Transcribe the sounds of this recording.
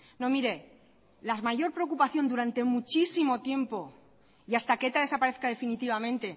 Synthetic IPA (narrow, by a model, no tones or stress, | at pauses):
nõ̞miɾe̞ | lazmaʝo̞ɾpɾe̞okupaθjo̞nd̪uɾant̪e̞mut͡ʃisimo̞t̪je̞mpo̞ | iast̪ake̞t̪aðe̞sapaɾe̞θkaðe̞finit̪iβamẽnt̪e̞